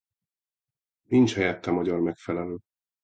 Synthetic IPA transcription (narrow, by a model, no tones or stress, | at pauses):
nint͡ʃhɛjɛt̪ːɛmɒɟɒrmɛkfɛlɛløː